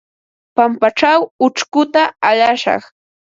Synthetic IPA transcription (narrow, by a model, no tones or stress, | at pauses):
pampaʈ͡ʂawʊt͡ʃkʊt̪aaʎaʃɑ̰χ